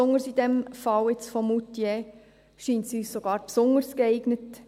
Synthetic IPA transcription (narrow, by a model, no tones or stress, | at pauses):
ʊŋəɾsid̪ɛmfɑwɪt͡sfɔmutje | ʃiːntsyːssoɡ̥ɑːɾpsʊŋəɾskɛɪɡnət